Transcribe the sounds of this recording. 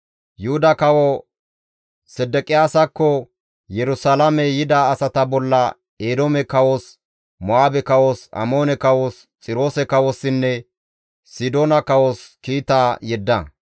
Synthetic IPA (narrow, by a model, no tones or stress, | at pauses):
jʊhʊd̪ɐkɐwɔ | sɛd̪ːɛkʼɪjaːsɐkːɔ | jɛɾʊsɐlɐmɛjɪd̪aːsɐt̪ɐbɔlːɐ | eːd̪omɛkɐwos | mɔaːbɛkɐwosɐ̰mo̞ːnɛkɐwos | t͡sʼɪɾo̞ːsɛkɐwɔsːɪnːɛ | sɪd̪oːnɐkɐwoskiːt̪aːjɛd̪ːɐ̰